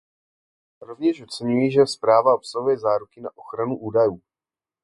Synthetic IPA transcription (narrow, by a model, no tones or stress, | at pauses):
ɾo̞vɲɛʃot͡sɛɲujiʒɛspɾaːvao̞psaɦujɛzaːɾukɪnaʔo̞xɾanuʔuːdajuː